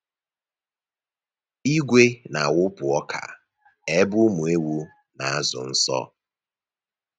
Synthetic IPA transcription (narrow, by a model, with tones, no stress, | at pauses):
i˦ɡʷe˦na˨wʊ˦pʊ˨ɔ˦kʰa̰˨ | e˦bʊ˦mu˨e˦wu˦ | na˨a˦zʊ̰˨n̩˦sɔ̰˦